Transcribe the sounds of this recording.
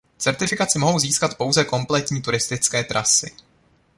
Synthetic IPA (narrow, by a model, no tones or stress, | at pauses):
t͡sɛɾt̪ɪfɪkat͡sɪmo̞ɦo̞wziːskat̪po̞wzɛko̞mplɛt̪ɲiːt̪uɾɪst̪ɪt͡skɛːt̪ɾʔasɪ̰